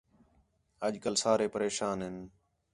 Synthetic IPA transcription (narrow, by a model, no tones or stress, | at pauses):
əʄkəlsaːɾeːpəɾeːʃaːnɦɪn